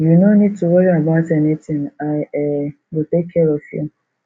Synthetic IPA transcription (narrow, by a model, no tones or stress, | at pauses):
junonid̚tʰuwɔɹiabaʊtɛnitɪ̃ŋaɪ | wɪtekʰːɛɹɔvjṵ